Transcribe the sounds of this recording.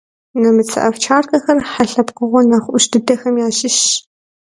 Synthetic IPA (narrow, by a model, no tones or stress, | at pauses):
nɐmɨt͡sʰɨ̰ʔɐft͡ʃʰaːrkɐxɐrħaɬɐpqəʁʷɔnaːχʷʔʊʃdɨdɐxɐmjaːɕɪʃ